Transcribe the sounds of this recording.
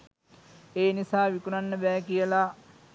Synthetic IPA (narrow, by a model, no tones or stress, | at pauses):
eːnisaːʋikunanːəbɛːkijəla